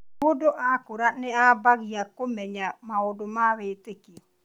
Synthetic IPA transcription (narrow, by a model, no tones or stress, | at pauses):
odoʔakoɾaneabaɣiakomɛɲamaodomaβetekiɔ